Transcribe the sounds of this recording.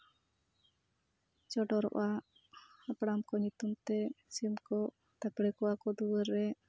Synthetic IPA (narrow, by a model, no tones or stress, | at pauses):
t͡ʃɔɖɔɾɔ̰ʔa | hapɽamkɔɲut̪umt̪ɛsimkɔ | t̪apɽɛkɔakɔd̪uwəɾːɛ